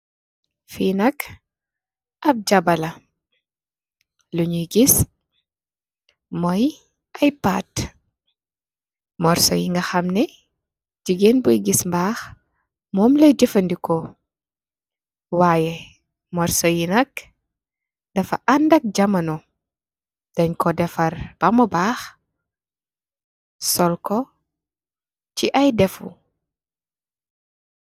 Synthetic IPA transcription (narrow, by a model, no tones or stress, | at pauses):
finɐk | ʔɐb̚d͡ʒɐbɐlɐ | luɲuɡis | mɔj | ʔɐjpa̰ːt | mɔɾsɔ̰jiŋɡɐxɐmnɛ | d͡ʒiɡenbujɡismbaːx | mɔːmlɐd͡ʒifɐndikɔ | waːjɛ | mɔrsɔjinɐk | dɐfɐ̰ʔɐndɐk̚ɟɐmɐnɔ | d̥ɐɲkɔdɛfɐrb̥ɐmɔbaːx | sɔlkɔ | ciʔɐjdɛfṵ